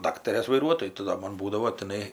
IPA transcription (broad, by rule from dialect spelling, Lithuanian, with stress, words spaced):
ˈdɑːktɐrʲeːs ʋɐɪˈruɔtoːjʊ tɐɪ ˈdoː ˈmoːn ˈbuːdɐʋoː tʲɪˈnɐɪ